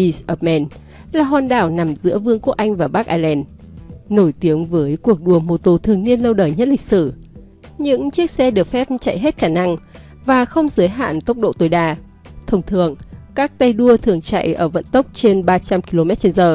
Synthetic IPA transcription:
i˧sʔəː˨˩p̚mɛ˧˩n | laː˨˩ɦaː˨˩nɗa̰ː˧˩wna˨˩mzɨ̰˧˥əvɨ˧əŋku˦˥˩ək̚ʔa˧jŋ̟vaː˨˩ɓaː˦˥k̚ʔaː˧lɛ˧nː | o˧˩jt̪i˨˦əŋvəː˨˦jku˨˩ək̚ɗu˨˩əmo˨˩t̪o˧˩t̪ʰɨ˨˩əŋni˧ənlə˧wɗəː˨˩jɲə˦˥t̚lï˨˩k̟̚sɨ˧˩ | ɲɨ̰˧˥ŋt͡ɕi˦˥ək̚sɛ˧ɗɨ˨˩ək̚fɛ˦˥p̚t͡ɕa̰˧˨jɦe˦˥t̚xaː˧˩na˧ŋ | vaː˨˩xə˧wŋ͡mzɨː˨˦jɦa̰ː˧˨nt̪ə˦˥wk͡p̚ɗo̰˧˨t̪o˨˩jɗaː˧˩ | t̪ʰə˨˧˩wŋ͡mt̪ʰɨ̰˨əŋkaː˦˥k̚t̪a˧jɗu˧ət̪ʰɨ˨˩əŋt͡ɕa̰˧˨jʔəː˧˩və̰˧˥nt̪ə˦˥wk͡p̚t͡ɕe˧nɓaː˧t͡ɕa˧mki˧lo˧mɛ˦˥t̚t͡ɕe˧nzəː˨˩

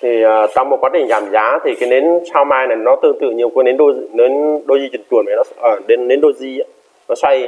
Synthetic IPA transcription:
t̪ʰi˨˩əː˨˩t͡ɕa˧wŋ͡mm̚˨˩kwaː˨˦t̪ʰï˧˨˩ŋzaː˨˩mzaː˨˦t̪ʰi˨˩kaː˨˦jne˨˦nsaː˧wmaː˧jna˨˩jnɔ˨˦t̪ɨ̰˧˨t̪ɨ̰˧˨ɲi˨˩əwkːnɗe˨˦nɗo̰˧˨ne˨˦nɗo˧zi˧t͡ɕi˨˧˩ŋt͡ɕ̪u˨˩ənfaː˨˩nɔ˨˦əː˨˩ɗe˨˦nːe˨˦nɗo˧zi˧˨˦ | nɔ˨˦sa˧j

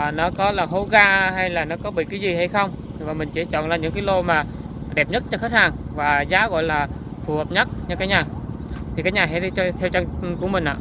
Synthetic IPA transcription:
nɔ˨˦kɔ˨˦laː˨˩ɦo˨˦ɣaː˧ha˧jlaː˨˩nɔ˨˦kɔ˨˦ɓḭ˧˨kaː˨˦jzi˨˩ha˧jxə˧wŋ͡mvaː˨˩mï˨˩ŋ̟t͡ɕi˧˩˦t͡ɕɔ̰˧˨nlaː˨˩ɲɨ̰˧˥ŋkaː˨˦jlo˧maː˨˩ | ɗɛ˨˩p̚ɲə˦˥t̚t͡ɕɔ˧xə˦˥t̚haː˨˩ŋvaː˨˩zaː˨˦ɣɔ̰˧˨jlaː˨˩fu˨˩həː˨˩p̚ɲə˦˥t̚ɲɔ˧kaː˨˦jɲaː˨˩ | t̪ʰi˨kaː˦j̚ɲaː˨˩ɦɛ̰˧˥˧t͡ɕt̪ʰɛ˧wt͡ɕa˧ŋku˧˩əmï̟˨˩ʔa̰ː˧˨

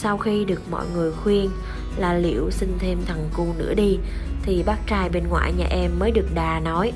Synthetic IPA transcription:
sa˧wxi˧ɗɨ˨˩ək̚mɔ̰˧˨jŋɨ˨˩əjxwi˧ən | laː˨˩lḭ˧˨əwsï˧ŋt̪ʰe˧mt̪ʰa˨˩ŋku˧nɨ̰˧˥əɗi˧t̪ʰi˨˩ɓaː˦˥k̚t͡ɕaː˧jɓe˧nŋwa̰ː˧˨jɲa̰ː˨˩ʔɛ˧mːəː˨˦jɗɨ˨˩ək̚ɗaː˨˩nɔ˨˦j

